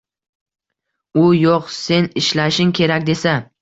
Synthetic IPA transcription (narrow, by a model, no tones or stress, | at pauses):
ʊjoqse̞nɪʃlaʃɪŋkʲʰe̞ɾakʲd̪e̞sa